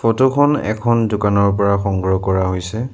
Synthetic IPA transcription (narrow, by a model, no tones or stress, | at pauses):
fotokʰɔnɛ̰kʰɔndʊkanɔɹpɔɹaxɔŋɡɹɔkɔɹaɦojsɛ